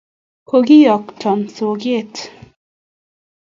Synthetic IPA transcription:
ko˨ɡi˦jɔ˨ktʰɔ˨mso˨ɡe˦t

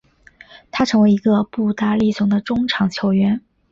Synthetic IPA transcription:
t̪ʰa˥ʈ͡ʂʰɤ˧˥ŋwe˧˥ɪi˧˥ɡə˧pu˥˩t̪a˥li˥˩sʊ˧˥ŋd̪ə˧ʈ͡ʂʊ˥ŋʈ͡ʂʰɑ˨˧˥ŋt͡ɕʰjo˧˥ʊɥɛ˧˥n

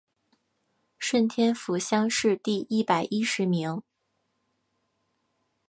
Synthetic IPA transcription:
ʂwə˥˩nt̪ʰjɛ˥nfu˧˥ɕjɑ˥ŋʂɻ̩˥˧t̪i˥˧i˥˩pa˨˩ɪʔi˥ʂɻ̩˨˧˥mi˧˥ŋ

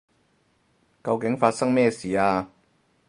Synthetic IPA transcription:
kɐ˧wkɪ˨˥ŋfaː˧t̚sɐ˥ŋmɛː˥˧siː˨˩aː˧

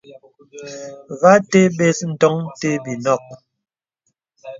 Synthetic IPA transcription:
ɣa˦te˦ɓe˦sn̩˨tɔ˦ŋte˦bi˨nɔ˦˨k̚

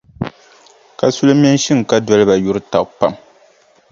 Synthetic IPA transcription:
ka˨su˦lɨ˦m˦ɛ˦n˦ʃi˦ŋ˨ka˦dɔ˦lɨ˦ba˨ju˦ɾɨ˦ta˨pa˦m

